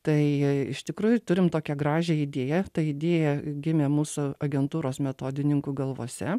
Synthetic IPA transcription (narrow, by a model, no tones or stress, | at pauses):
t̪ɐɪɪʃt̪ʲɪkɾuːjʊt̪ʊɾʲɪmt̪oːkʲɛɡɾɑːʒʲeɪd̪ʲeːjɛt̪ɐɪd̪ʲeːjɛɡʲɪmʲeːmuːsʊɐɡʲɛnt̪uːɾoːsmʲɛt̪oːd̪ʲɪnʲɪŋkuːɡɐlˠʋoːsʲɛ